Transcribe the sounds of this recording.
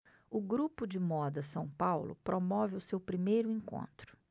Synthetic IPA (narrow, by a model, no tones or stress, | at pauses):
ʊɡɾupʊd͡ʒɪmɔd̪ɐsɐ̃w̃pawlʊ̰pɾʔomɔvɪʊsewpɾimejɾʊẽŋkõ̰nt̪ɾʊ̥